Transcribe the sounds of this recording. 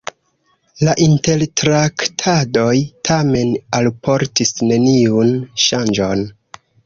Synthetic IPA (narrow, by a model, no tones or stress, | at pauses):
laʔinte̞ltɾaktʰado̞jtʰame̞nalpʰo̞ɾtisne̞niunʃand͡ʒo̞n